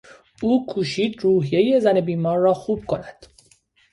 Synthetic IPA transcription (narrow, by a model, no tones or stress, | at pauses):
uːkʰuːʃiːd̪ruːɦije̞je̞zæne̞biːmɒːɾːɒːxuːb̥̚kʰo̞næd̪̥